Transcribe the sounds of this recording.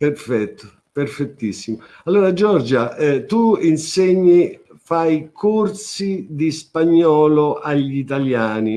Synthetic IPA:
pɛɾfɛt̪ːʊ | pɛrfɛt̪ːisːimʊ | alːoːɾad͡ʒɔɾd͡ʒaɛt̪uinseɲːi | fajkʰort̪sid̪ispaɲːɔːloʔaʎːit̪aljaːni

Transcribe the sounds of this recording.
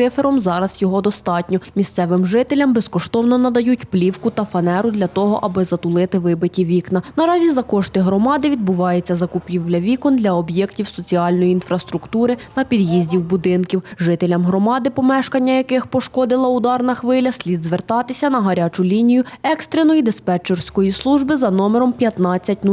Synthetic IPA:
ɪfeɾɔmzɑɾɐzjɔɦɔd̪ɔst̪ɑtʲnʲɔmʲist̪sɛʋɪmʒɪt̪elʲɐmbɛskɔʃt̪ɔwnɔnɐd̪ɐjutʲplʲiwkʊt̪ɐfɐnɛɾʊd̪lʲɐt̪ɔɦɔʔɐbɪzɐt̪ʊlˠɪt̪ɪʋɪbɪtʲiʋʲiknɐnɐɾɑzʲizɐkɔʃt̪ɪɦɾɔmɑd̪ɪʋʲid̪̚bʊʋɑjet͡sʲːɐzɐkʊpʲiwlʲɐʋʲikɔnd̪lʲɐɔbjɛktʲiwsɔt͡sʲiɑlʲnɔjiinfɾɐst̪ɾʊkt̪uɾɪt̪ɐpʲid̪jizʲdʲiwbʊd̪ɪnkʲiwʒɪt̪elʲɐmɦɾɔmɑd̪ɪpɔmɛʃkɐnʲːɐjɐkɪxpɔʃkɔd̪ɪlˠɐʊd̪ɑrnɐxʋɪlʲɐsʲlʲid̪zʋert̪ɑt̪ɪsʲɐnɐɦɐɾʲat͡ʃʊlʲinʲijʊɛkst̪ɾenɔjid̪espɛt͡ʃɛrsʲkɔjislˠuʒbɪzɐnɔmeɾɔmpʲjɐt̪nɑt͡sʲːɐtʲn

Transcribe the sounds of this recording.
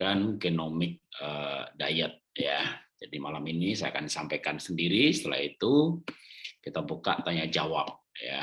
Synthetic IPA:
kankenomɪk̚əda̰jət̪̚jad͡ʒadimalaminisaja̰kandisampajkansəndiɾisə̥t̪əla̰hit̪u | kit̪abuka̰ʔt̪aɲad͡ʒawap̚ja̰

